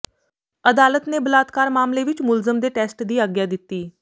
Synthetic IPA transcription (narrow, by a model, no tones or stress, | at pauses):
əd̪aːlət̪neːbəlaːt̪kaːɾmaːmleːʋɪt͡ʃmʊlzəmd̪eːʈɛːsʈd̪iːaːɡjaːd̪ɪt̪ːiː